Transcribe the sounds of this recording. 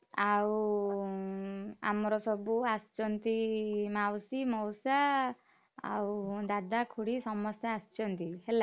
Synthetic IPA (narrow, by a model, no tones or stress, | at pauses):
aw | a̰mɔɾɔsɔbuast͡ʃɔnt̪imawsimɔwsa | a̰wd̪ad̪akʰuɽisɔmɔst̪jaast͡ʃɔnt̪ihela